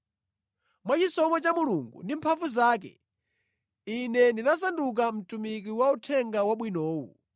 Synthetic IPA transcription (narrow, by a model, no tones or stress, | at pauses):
mwat͡ʃisɔmɔt͡ʃamuluŋɡṵndimpʰaɱvuzaːk̬ɛ̰ | inɛndinas̬anduk̬am̩tumik̬iwautʰɛŋɡawaɓwinɔːwṵ